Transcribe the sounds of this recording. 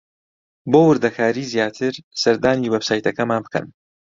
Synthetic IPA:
boːwɨɾd̪ɐkʰaːɾiːzjaːt̪ʰɨɾsɐɾd̪aːniːwɛbsaːjt̪ɐkɐmaːnbɨkɐ̰n

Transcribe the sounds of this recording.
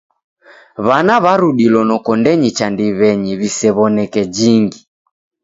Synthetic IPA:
βanaβaɾuɗilɔnɔkɔndɛɲit͡ʃandiβɛɲiβisɛβɔnɛkɛd͡ʒiŋɡi

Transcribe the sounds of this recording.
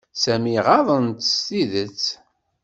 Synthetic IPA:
sæmiʁɑðˤənt̪ːə̥st̪iðət͡sː

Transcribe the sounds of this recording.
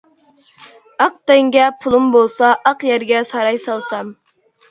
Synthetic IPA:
ɑq̚t̪ɛŋɡʲɛpʰulˠumbolˠsɑʔɑqjæɾɡʲɛsɑɾɑjsɑlˠsɑm

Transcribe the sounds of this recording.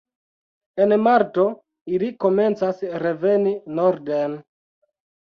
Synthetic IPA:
e̞nmaɾto̞ | iliko̞me̞nt͡sasɾe̞ve̞ninoɾden

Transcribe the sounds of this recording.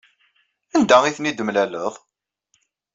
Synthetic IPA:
ænd̪æiθnid̪əmlæləðˤ

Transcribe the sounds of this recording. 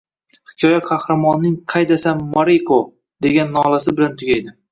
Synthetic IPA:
hɪ̥kʲʰɒjaqʰɑhɾamɒnːɪŋqʰɑjd̪asanmːaɾiqʰo | d̪e̞ɡʲanːɒlasɪbɪlant̪ʰʊɡʲajd̪ɪ

